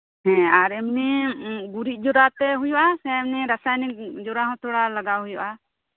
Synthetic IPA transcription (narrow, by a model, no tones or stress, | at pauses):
ɦɛ̃aɾɛmniɡuɾiʔ̪̚ˀd͡ʒɔɾat̪ɛɦujɔʔasɛ̃ɛmniɾasajnikd͡ʒɔɾaɦɔ̃t̪ʰɔɽalaɡaɦujɔʔa